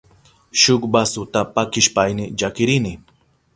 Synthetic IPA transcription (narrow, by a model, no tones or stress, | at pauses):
ʃʊkbasʊt̪apakɪʃpajnɪd͡ʒakɪɾɪnɪ